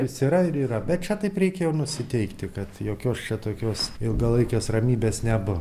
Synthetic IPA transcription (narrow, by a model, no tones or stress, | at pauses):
ɪsiːɾɐɪɾiːrɐbʲɛt̪t͡ʃʲɛt̪ɐɪpɾʲɛɪkʲɛjɛʊnʊsʲɪt̪ʲɛɪkt̪ʲɪkɐt̪joːkʲoːst͡ʃʲɛt̪oːkʲoːsɪlˠɡɐlˠɐɪkʲoːsrɐmʲiːbʲeːsnʲɛbʊ